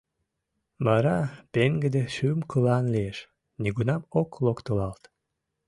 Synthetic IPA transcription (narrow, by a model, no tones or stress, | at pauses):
bɑɾɑpeŋɡəd̪eʃymkɯlɑnlieʃ | niɡunɑmoklˠokt̪olɑlt̪